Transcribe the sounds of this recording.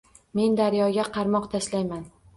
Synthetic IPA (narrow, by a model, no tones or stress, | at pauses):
me̞nd̪aɾjɒɡʲaqʰɑɾmɒqt̪ʰaʃlajman